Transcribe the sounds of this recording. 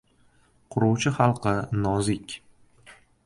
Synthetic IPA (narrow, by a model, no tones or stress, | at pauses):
qʰʊɾʊwt͡ʃʰɪχɑlˠqʰɨnɒzɪkʲ